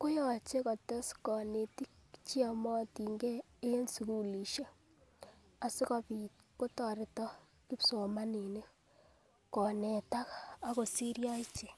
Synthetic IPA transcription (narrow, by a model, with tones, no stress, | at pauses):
ko˦jɔ˨t͡ʃe˦kɔ˨tɛ˦skɔ˨ne˨ti˦kt͡ʃi˦ɔ˦˨mɔ˦ti˨ŋɡeː˦ | e˦nsu˨ku˦li˨ʃe˦ | a˨sɪ˦kɔ˦pi˨tko˦tɔ˨ɾɪ˨tɔ˦ | ki˦pso˨ma˦ni˨ne˦ | kɔ˨ne˨ta˦kaa˦ko˨si˦ɾja˦i˦t͡ʃe˨